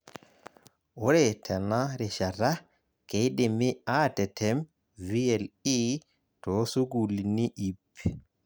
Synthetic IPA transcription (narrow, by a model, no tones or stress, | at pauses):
wɔɾɛtʰɛnaɾɛʃaɾa | kejɗɛmiatɛtʰɛm | vijɛli | tɔsuɡuliniʔip